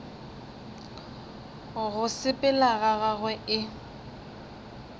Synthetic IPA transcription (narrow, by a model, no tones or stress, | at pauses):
ɣʊsɪpʼɪlaɣaɣaɣwɛʔɪ